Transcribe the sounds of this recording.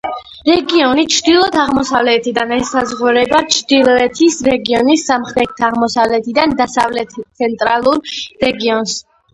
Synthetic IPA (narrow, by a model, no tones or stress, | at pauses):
ɾɛɡiɔnit͡ʃʰɾd̪ilˠɔt̪ʰaʁmɔsavlɛt̪ʰid̪anɛsːazʁuɾɛbat͡ʃʰd̪ilˠɔɛt̪ʰisɾɛɡiɔnisːamχɾɛt̪t̪ʰːaːʁmɔsavlɛt̪ʰid̪and̪asavlɛt̪ʰt̪sʰɛnt̪ʼɾalˠuɾɾɛɡiɔns